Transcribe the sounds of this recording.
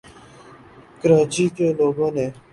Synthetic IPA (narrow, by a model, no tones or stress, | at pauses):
kəɾãːt͡ʃiːkeːloːɡõːneː